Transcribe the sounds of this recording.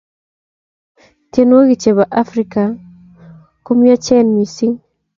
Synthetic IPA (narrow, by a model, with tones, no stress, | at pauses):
tje˦nwo˦ɡi˨t͡ʃe˨βa˨ʔa˦fɾi˨ka˨ | ko˦mja˦t͡ʃɛ˦nmi˨si˦ŋ